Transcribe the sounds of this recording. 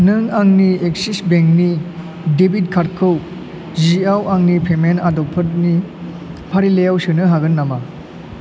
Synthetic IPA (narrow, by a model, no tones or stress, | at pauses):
nɯŋaŋniek̚sisbeŋni | debit̚kʰaɾkʰɯw | ziawaŋnipʰemenadɔpʰɯɾni | pʰaɾilejawsɯnɯɦaɡɯnːama